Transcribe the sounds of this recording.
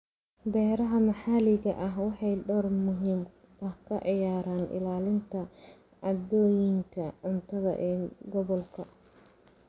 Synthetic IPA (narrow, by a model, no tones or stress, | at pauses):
bɛːɾɐɦɐmɐħaːlɪɣɐʔɐɦwɑħɑjɖɔːrmʊɦiːm | ɐhkʰɐʕɪjaːɾaːnʔɪ̰laːlɪnt̪ʰɐ | ʔɐd̪ɔːjɪŋkʰɐʕʊnt̪ʰɐðɐ̰ʔɛːɡɔβɔlkʰɐ